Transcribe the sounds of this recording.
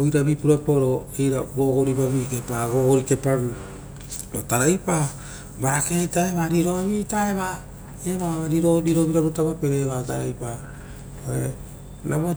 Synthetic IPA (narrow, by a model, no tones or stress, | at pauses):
ojɾabipuɾapoɾoijɾaɡoɡoɾibaβikepaɡoɡoɾike̞pan | otaɾajpa | bakejtaeβaɾiɾoaβitaeβa | eβaaɾiɾoɾiɾoβiɾaɾutaβapeɾeβataɾajpa | oe | naβa